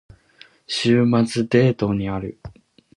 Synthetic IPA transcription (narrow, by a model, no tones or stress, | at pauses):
ɕɨːmat͡sɨd̪e̞ːt̪o̞ɲ̟iaɾɯ̟̰